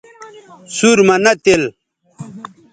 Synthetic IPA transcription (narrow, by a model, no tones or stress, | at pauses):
suɾmɐnɐt̪el